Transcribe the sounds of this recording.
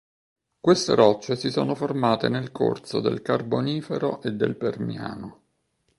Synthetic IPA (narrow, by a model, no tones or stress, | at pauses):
kwest̪ḛɾɔt͡ʃːesisoːnoformaːt̪enelkʰo̰rt̪sod̪ḛlkarboniːfeɾoʔed̪ːelpermja̰ːno